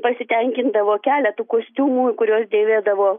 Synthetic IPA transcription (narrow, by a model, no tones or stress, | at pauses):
pɐsʲɪt̪ʲɛŋʲkʲɪnd̪ɐʋoːkʲæːlʲɛt̪uːkoːsʲt̪ʲuːmuːkʊɾʲuɔsd̪ʲeːʋʲeːd̪ɐʋoː